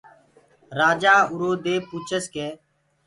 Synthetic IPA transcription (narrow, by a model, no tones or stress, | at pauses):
ɾaːd͡ʒaːʊɾoːd̪eːpuːt͡ʃʰəskeː